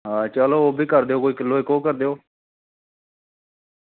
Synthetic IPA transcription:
ɦãːt͡ʃaloːoːbʱiːkəɾd̪eːoːkoːiːkəloːekõːkəɾd̪eːoː

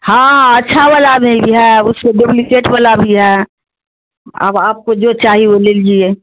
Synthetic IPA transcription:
hãɐtːʃʰabəlabneĩbʱiɦɛʊsːeɖeplikeːʈbəlabʱiɦɛ | ə̰baːp̚kod͡ʒot͡ʃaːɦioleːld͡ʒie

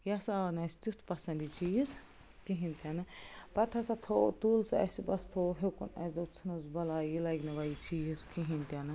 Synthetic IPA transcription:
jasaːnɐsʲt̪ut̪ʰpɐsɐ̃nd̪it͡ʃiːz | kiɦinʲt̪ʲanɨpɐʈ̪ʰɐsɐt̪ʰoːt̪uːlsɐ̰sibɐst̪ʰoːɦekṵnɐ̰sd̪op̚t͡sʰɐnuzbɐlaːjilɐjɡnɐʋajit͡ʃiːzkiɦint̪ʲanɨ

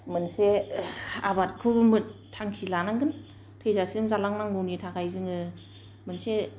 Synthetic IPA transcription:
mɯnse | abat̚kʰɯbmɯt̚tʰaŋkʰilanaŋɡɯn | tʰɯjzasimzalaŋnaŋɡunitʰakʰajzɯŋɯ | mɯnse

